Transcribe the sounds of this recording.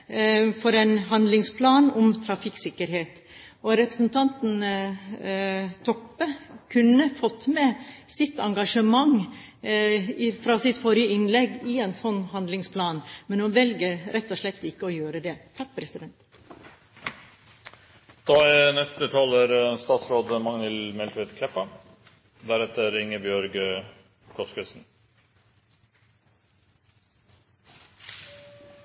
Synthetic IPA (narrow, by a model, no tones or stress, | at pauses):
fɔɾɛnɦɑnd̪lɪŋspʰlɑːnɔmt̪ʰɾɑfɪksɪkːəɾheːt̪ɔɾɛpɾəsn̩t̪ʰɑnt̪n̩ | t̪ʰɔpəkʰʉnːəfɔt̪ːmɛsɪt̪ɑŋɡɑʂəmɑŋ | ɪfɾɑːsɪt̪fɔɾjəɪnlɛɡɪɛnsɔnːhɑnd̪lɪŋspʰlɑːnmɛnhʉnʋɛlɡəɾɾʔɛt̪ːɔʂɭɛt̪ːɪkːəɔjøːɾəd̪ɛt̪ʰɑk̚pʰɾɛsɪd̪ɛnt̪ | d̪̥ɑːɛnɛst̪ət̪ʰɑːləɾst̪ɑːt̪sɾoːd̪mɑŋnɪlmɛlt̪ɾɪd̪kʰlɛpːɑ | d̪æɾɛt̪əɾɪŋːəbjœɾɡə | kʰɔskəsn̩